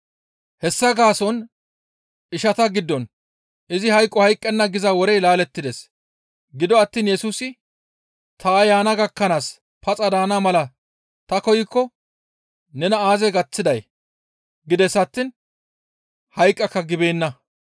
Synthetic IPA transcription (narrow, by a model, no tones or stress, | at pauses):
hɛsːɐɡaːsɔn | ɪʃɐt̪ɐɡɪd̪ːɔn | ɪzɪhɐjkʼːɔhɐjkʼːɛnːɐɡɪzɐwɔɾɛjlaːlɛt̪ːɪd̪es | ɡɪd̪ɔɐt̪ːiːnjɛsuːsɪ | t̪ʰɐɐjaːnɐɡɐkːɐnaːs | pʰɐt͡sʼɐd̪aːnamɐlɐ | t̪ɐkɔjɪkːɔ | nɛnɐaːzɛɡɐt͡sːɪd̪ɐj | ɡɪd̪ɛsɐt̪ːiːn | hɐjkʼːɐkːɐɡɪbe̞ːnːɐ